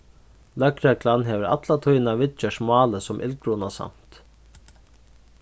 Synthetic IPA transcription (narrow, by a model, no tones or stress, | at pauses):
lœkɾɛklanɦɛːʋəɾa̰t̪lat̪ʰujnavɪt͡ʃəʂmɑːləsɔmʔɪ̰lkɾunasa̰m̥t̪